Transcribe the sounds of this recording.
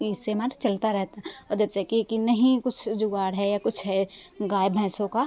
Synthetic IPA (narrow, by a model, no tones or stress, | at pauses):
ɪsemaɾt͡ʃɐlt̪aɾɛɦt̪aɔɾd͡ʒəbsekikinɐɦĩkʊt͡ʃʰd͡ʒʊɡaːɽɦɛjakʊt͡ʃʰɦɛɡaːjbʱɛ̃ːsõka